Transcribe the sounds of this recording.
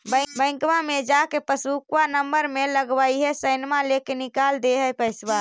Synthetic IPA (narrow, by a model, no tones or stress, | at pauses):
bəbə̃ɪ̃ŋkmamed͡ʒakepəsukwanəmbəɾmeləɡbaiɦɛsəɪnmalekenikald̪eɦəpəɪsba